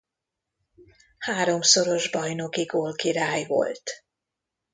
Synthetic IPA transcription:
haːɾo̞mso̞ɾo̞ʒbɒjno̞kiɡoːlkiɾaːjvo̰lt̪

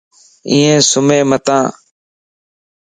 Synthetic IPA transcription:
ĩːẽːsʊmẽːmət̪ãː

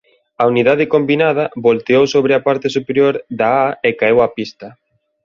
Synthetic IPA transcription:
ɐuniðaðɪkombinað̞ɐβolt̪eowsoβɾɪapaɾt̪ɪsupeɾjoɾðaaekaewɐpist̪ɐ

